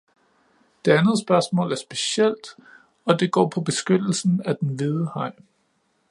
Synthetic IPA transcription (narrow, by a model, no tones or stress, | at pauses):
d̥e̝ænð̩ˠsb̥ɶɐsmɔ̰̽ːlæɐsb̥e̝sel̰d̥ | ɒ̽d̥e̝ɡ̥ɒ̰ːpʰɒ̽b̥e̝sɡ̥ød̥l̩sn̩æd̥enʋiðˠəhɑ̈ɪ̰